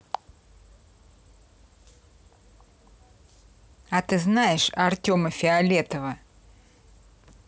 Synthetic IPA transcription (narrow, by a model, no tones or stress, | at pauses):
ɐt̪ɨznajɪʂɐrtʲo̞məfʲɪɐlʲet̪əvə